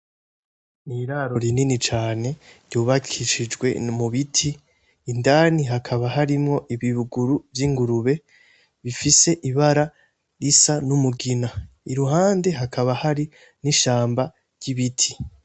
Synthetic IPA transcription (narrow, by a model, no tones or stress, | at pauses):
niɾaɾo̞ɾininit͡ʃaːne̞ɾjuːβakʰiʃid͡ʒɡwe̞muβitʰiː | ndaːniɦakʰaβaɦaɾimŋo̞ʔiβiβuɡuɾuvjiŋɡuɾuβe̞ | βifise̞ʔiβaɾa | ɾisanumuɡina | iɾuɦaːnde̞ɦakʰaβahaɾi | niʃaːmba | ɾɟ̥iβitʰi̥